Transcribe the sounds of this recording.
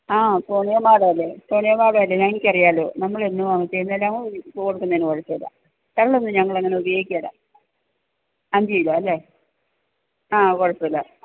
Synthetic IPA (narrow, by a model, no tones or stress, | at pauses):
aːsoːɳijɐmaːɽeɐlːepoːɳijɐmaːɽejɐlːeɲɐŋːikʲːɐrijaːlo̰ːnɐmːɐɭenːuʋaːŋːɐt͡ɕːejnːelːaŋopokːoɽukːunɐiːnkoɻɐt͡ɕːɐilːa̰ | t̪ɐɭonːɨɲɐŋːɐɭeŋːɐne̞ubɐjo̞ːɡikʲːaːɽa̰ | ɐnd͡ʑejilːaɐlːe | aːkoɻɐt͡ɕːilːɐ